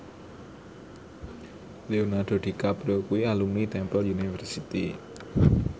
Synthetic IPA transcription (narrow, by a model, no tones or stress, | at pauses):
leonarɖ̥o̤ɖ̥i̤kapɾokuialumnit̪ɛmpəlunifərsit̪i